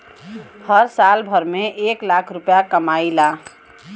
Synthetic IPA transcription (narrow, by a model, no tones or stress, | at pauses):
həɾsalbʱəɾmeʔeklakʰɾupjakəmaila